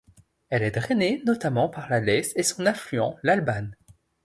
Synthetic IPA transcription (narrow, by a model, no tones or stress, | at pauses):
ɛlɛt̪ʁenenɔt̪amɑ̃paʁlalɛsesɔ̃nɛ̃flyɑ̃lalban